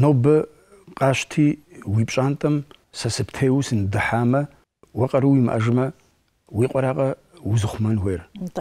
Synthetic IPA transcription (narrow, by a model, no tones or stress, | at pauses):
noːbɐ | qʼɑːɕtʰiː | wiːpʼt͡ʃʼaːntʼɐm | sɐsɨptʰejwsɨndɨħaːmɐ | wɐqʼɐɾuwimɨ̰ʔɐʒɨmɐ | wiːqʷʼɔɾaːqʼɐ | wuzɨχʷʊmɐnweːr